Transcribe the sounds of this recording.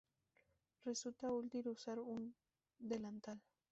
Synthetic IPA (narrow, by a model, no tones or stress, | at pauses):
resut̪ault̪iɾusaɾun | d̪elant̪al